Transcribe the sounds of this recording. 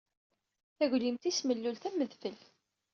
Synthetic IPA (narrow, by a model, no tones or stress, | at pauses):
θæʝlimt̪isməlːulθæmːəðfəl